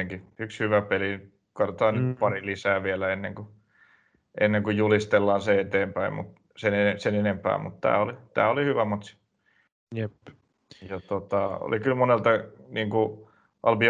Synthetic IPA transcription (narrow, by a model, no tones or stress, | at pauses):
eŋkiykshyʋæpeli | kɑrot̪ɑːnnypɑrilisæːʋielæenːeŋku | ʔenːeŋkujjulist̪elːɑːnseet̪eːmpæḭmmṵt̪ | senenesenenempæ̰ːmut̪t̪æ̰ːolit̪æ̰ːolihyʋæmɑt̪si̥ | jep | jɑt̪ot̪ɑo̰lʔikylmonelt̪ɑniːŋku | ʔɑlpi